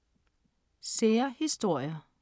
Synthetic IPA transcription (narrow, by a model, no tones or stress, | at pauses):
seːɐhisd̥o̝ɐ̰jɐ